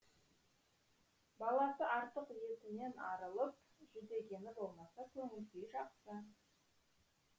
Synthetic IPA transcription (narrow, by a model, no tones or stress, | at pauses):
bɑlˠɑsəʔɑɾt̪əqje̞t̪ɪne̞nɑɾəlˠəp̚ | ʒʏd̪e̞ɡʲe̞nɪbo̞lˠmɑsɑkʲʰɵŋʲɪlkʲejʒɑqsə